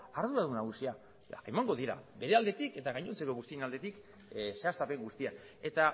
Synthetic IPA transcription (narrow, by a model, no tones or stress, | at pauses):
aɾð̞uɾaðunaɣ̞usia | e̞maŋɡo̞ðiɾa̰be̞ɾe̞ald̪e̞t̪ike̞t̪aɣajɲont͡se̞ko̞ɣust̪ienald̪e̞t̪ik | se̞ast̪ape̞ŋɡust̪ian | e̞t̪a